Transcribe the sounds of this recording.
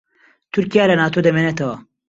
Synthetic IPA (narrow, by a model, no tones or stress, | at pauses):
t̪uɾkijaːlɐnaːt̪od̪ɐmenɐt̪ɐwɐ